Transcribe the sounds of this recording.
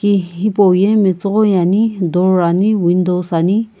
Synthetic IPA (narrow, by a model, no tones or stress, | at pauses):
kiɦipowjemet͡sɔɣɔjanid̪ɔaniwind̪owsani